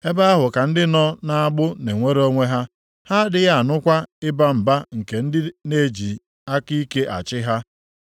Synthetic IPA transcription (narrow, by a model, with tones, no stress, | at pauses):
e˦ba˦a˦ɦʊ˨ka˨n̩˦dɪ˦nɔ˦na˦a˦ɡ͡bʊ˦ne˨ŋʷe˦ɾo˦ŋʷe˦ɦa˦ | ha˦dɪ˨ja˦˨a˨nʊ˦kʷa˦ɪ˦ba˦m̩˨ba˦ŋ̩˨ke˨n̩˦dɪ˦ne˦˨d͡ʒi˨ | a˦ki˦ke˦ʔa̰˨t͡ʃɪ˦ɦa˦